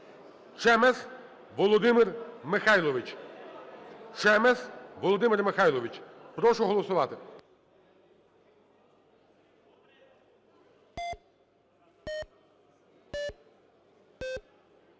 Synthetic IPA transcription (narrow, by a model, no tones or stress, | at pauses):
t͡ʃɛmɛs | ʋɔlˠɔd̪ɪmɪrmɪxɑjlˠɔʋɪt͡ʃ | t͡ʃɛmɛsʋɔlˠɔd̪ɪmɪrmɪxɑjlˠɔʋit͡ʃpɾɔʃʊɦɔlˠɔsʊʋɑt̪ɪ